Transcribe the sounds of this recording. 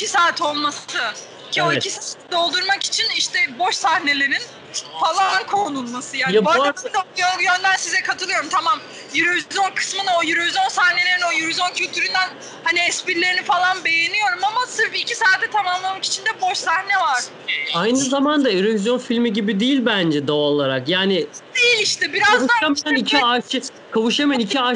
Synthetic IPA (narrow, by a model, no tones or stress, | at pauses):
isaːt̪ʰo̞lˠmasɯ | coicʰisat̪ɛd̪o̞lˠd̪uɾmaki̥t͡ʃʰiniʃt̪ʰɛbo̞ʃsahne̞lʲeɾin | falˠankʰonunmasɯjanjabaat̪ajjønd̪ænsizɛkʰat̪ʰɯlˠɯjo̞ɾumt̪ʰamam | jyɾevizjonkʰɯ̥smɯnojyɾevizo̞nsahnelʲeɾino̞jyɾvizjoncʰylʲt̪ʰyɾynd̪æn | haniɛspiɾlʲe̞ɾinifalˠanbe̞jenijo̞ɾumamasɯɾbiːcʰisaːt̪ʰːɛt̪ʰamamlˠamaki̥t͡ʃʰind̪ɛbo̞ʃsahnɛvaɾ̥ | ajnɯzamand̪aeɾevizjo̞nfilʲmiɟibid̪ijilʲbænd͡ʒɛd̪aalˠaɾakjaːnɪd̪̥ejilʲiʃt̪ɛbiɾazazuaamajanicʰiaʃɯ | kʰavɯʃamajanicʰia